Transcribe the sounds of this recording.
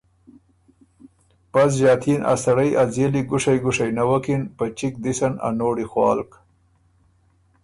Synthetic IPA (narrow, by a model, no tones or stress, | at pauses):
pas̬ʒɑːt̪ʰinʔa̰saɽajʔazeliɡʊʂajɡʊʂajnawakinpat͡ʃik̚d̪isana̰noːɽixwɑ̰ːlk